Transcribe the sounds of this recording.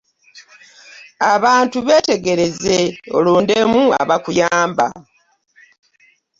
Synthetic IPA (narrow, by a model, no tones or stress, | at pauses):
aβaːntuβe̞ːte̞ɡe̞ɾe̞zeo̞̰luːnde̞mua̰βakujaːmba̰